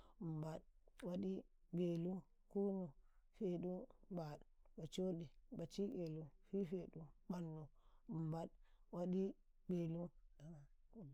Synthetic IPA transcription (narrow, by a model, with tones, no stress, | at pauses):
m˨ba˨ɗwa˦ɗi˦be˨lu˦ | ku˦nu˨fe˨ɗu˦ba˨ɗba˨t͡ʃo˦ɗi˨ba˨t͡ʃi˦ɡe˨lu˦fi˦fe˨ɗu˦ɓa˨nːu˨mba˦dwa˦ɗi˦ | be˨lu˦a˨